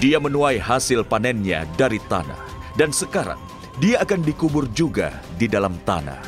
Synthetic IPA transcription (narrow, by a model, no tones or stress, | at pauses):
diamənuajhasɪlpanɛnɲa̰daɾit̪a̰na̰hdansəkaɾa̰ŋ | diaːkandikubʊrd͡ʒuɡa̰ | didalamt̪a̰na̰h